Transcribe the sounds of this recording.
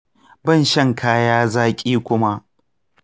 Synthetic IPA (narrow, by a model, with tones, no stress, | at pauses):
bɐ˦˨nʃɐ˦˨ŋkʰaː˦jaː˦zaː˦kʲʼiː˦kʷʊ˦ma˦ʔ